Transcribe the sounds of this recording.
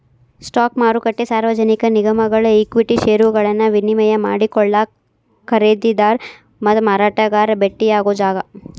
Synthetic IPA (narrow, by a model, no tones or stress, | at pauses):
sʈaːkmaːɾukɐʈːesaːɾʋɐd͡ʒɐnikɐniɡɐmɐɡɐɭɐekʋiʈiʃeːɾuɡɐɭɐnːɐʋinimɐjɐmaːɽikɔɭːɐ | kɐɾed̪id̪aːɾ | mɐt̪umaːɾaːʈɐɡaːɾɐbeʈːijaːɡoːd͡ʒaːɡɐ